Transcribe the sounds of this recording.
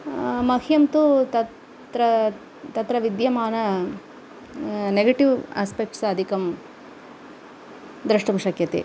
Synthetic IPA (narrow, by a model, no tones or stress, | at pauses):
mɐkijɐmt̪ut̪ɐ | t̪ɾɐ | t̪ɐt̪ɾɐʋid̪jɐmaːnɐ | neɡɐʈiʋa̰ːspek̚ʈsɐd̪ʱikɐm | d̪ɾɐʂʈumʃɐkjɐt̪ḛ